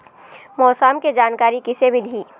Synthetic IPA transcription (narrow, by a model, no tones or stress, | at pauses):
mɔːsaːmked͡ʒaːnkaːɾikɪsemɪlɦiː